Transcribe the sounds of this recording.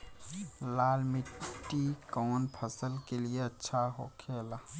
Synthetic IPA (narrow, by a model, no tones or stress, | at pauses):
laːlmɪʈːikɔːnpʰɐsəlkelieɐtːʃʰaɦo̰ːkʰeːlaː